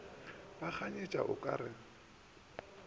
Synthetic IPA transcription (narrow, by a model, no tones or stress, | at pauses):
bak͡xʰaɲet͡ʃʼa̰ʔʊkʼa̰ɾɪŋ̩